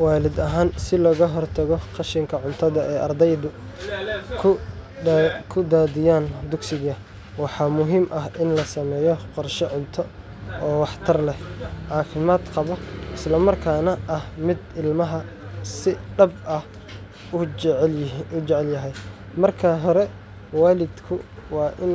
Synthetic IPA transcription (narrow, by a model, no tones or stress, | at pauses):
wɑːlɪd̪ɐɦaːnsɪlɔːɣɐɦɔrt̪ʰɐɣɔqɑʃɪŋkʰɐʕʊnt̪ʰɐðɐʔɛːʔɐrd̪ɛjd̪ʊ | kʰ | kʰʊd̪aːd̪ɪjaːnd̪ʊɡsɪɣɐ | wɑħɑːmʊɦiːmʔɐɦʔɪnlɐsɐmɛːjɔqɔrʃɛʕʊnt̪ʰɔ | ʔɔːwɑħt̪ʰɐrlɛhʕɑːfɪmaːd̪qɑβɔʔɪslɐmɐrkʰaːnɐʔɐhmɪd̪ɪlmɐɦɐ | sɪɖɐbɐh | ʊʕʊt͡ʃɛʕɛljɐɦɛj | mɐrkʰɐɦɔɾɛ | waːlɪd̪kʰʊwɑːʔɪn